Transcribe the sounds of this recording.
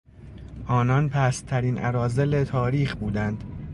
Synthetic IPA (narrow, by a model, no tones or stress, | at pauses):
ʔɒːnɒnpʰæst̪ʰæɾiːnʔæɾɒːzelet̪ʰɒːɾiːxbuːd̪ænd̪̥